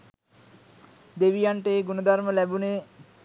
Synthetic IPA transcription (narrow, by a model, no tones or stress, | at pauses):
d̪eʋijaɳʈəːɡunəd̪ʱaɾməlæbune